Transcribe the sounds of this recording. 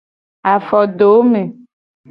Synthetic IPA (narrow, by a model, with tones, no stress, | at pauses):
a˨fɔ˨ɖo˨˦mẽ˨